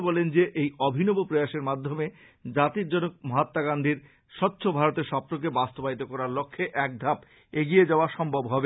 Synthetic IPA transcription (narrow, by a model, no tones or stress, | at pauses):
bɔlend͡ʑeʔejɔbʱinɔbopɾojaʃeɾmad̪ʱːome | d͡ʑat̪iɾd͡ʑɔnok̚mɔɦat̪ːaɡand̪ʱiɾ | ʃɔt̪ːɕʰobʱaɾot̪eɾʃɔpɾok̬ebast̪obait̪okɔɾaɾlokʰːeʔɛk̚d̪ʱap | eɡied͡ʑaoaʃɔmbʱobɦɔbe